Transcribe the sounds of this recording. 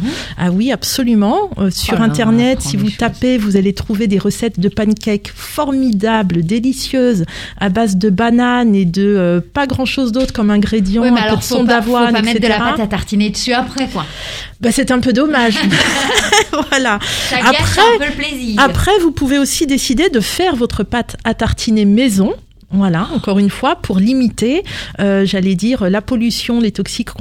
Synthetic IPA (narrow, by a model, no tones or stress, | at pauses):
awiapsɔlymɑ̃øsyʁɛ̃t̪ɛʁnɛt̪sivut̪apevuzalet̪χuved̪eʁəsɛt̪d̪əpankʲɛkfɔʁmid̪abld̪elisjøzabazd̪əbananed̪əøpaɡʁɑ̃ʃozd̪ot̪χəkɔmɛ̃ɡʁed̪jɑ̃ɛ̃plød̪əsɔ̃d̪avwãnɛkɛsed̪əleaʁapat̪at̪aʁt̪ined̪əsyapχɛkwa | basɛt̪ɛ̃pød̪ɔmaʒ | vwalaʃaaχɛpølpleziːapχɛvupuveosid̪esid̪ed̪əfɛʁvɔt̪χəpat̪ʰat̪aʁt̪ʰinemezɔ̃ | vwalaɑ̃kɔʁynfwapʰuʁlimit̪eøʒalɛd̪iʁølapɔlysjɔ̃let̪ɔksik